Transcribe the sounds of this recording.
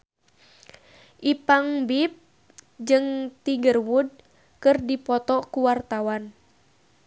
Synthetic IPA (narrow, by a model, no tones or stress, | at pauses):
ʔipaŋbip̚ | d͡ʒɨŋt̪iɡərwud̚ | kɨrdipɔt̪ɔkuwart̪awan